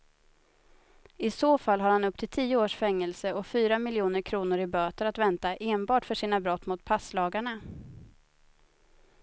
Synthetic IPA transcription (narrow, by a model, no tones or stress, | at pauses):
ɪsoːfalːɦaɾhanɵp̚ːt̪ʰɪlt̪ʰiːʊoːʂfɛŋːɛlsəɔfyːɾamɪljuːnəɾkʰɾuːnʊɾɪbøːt̪əɾat̪vɛnt̪aʔeːnbɑːʈfœʂiːnabɾɔt̪ːmʊt̪pʰaslɑːɡaɳa